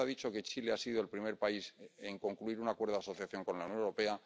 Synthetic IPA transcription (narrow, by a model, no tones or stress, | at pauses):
aðit͡ʃo̞ke̞t͡ʃileasiðo̞elpɾime̞ɾpaise̞ŋko̞ŋkluiɾunakwe̞ɾðaso̞θjaθjo̞ŋko̞nlaunjo̞neɾo̞pe̞a